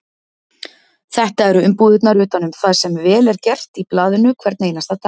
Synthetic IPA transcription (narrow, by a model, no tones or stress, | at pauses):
θɛht̪aɛɾʏʏmpuːðɪt̪naɾʏːt̪anʏmθaðsɛmvɛːlɛɾcɛr̥t̪iplaːðɪnʏkʰvɛɾt̪nejnast̪at̪ʰa